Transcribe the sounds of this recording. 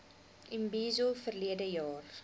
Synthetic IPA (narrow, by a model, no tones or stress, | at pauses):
ʔimbiːzofərliədəjɑːr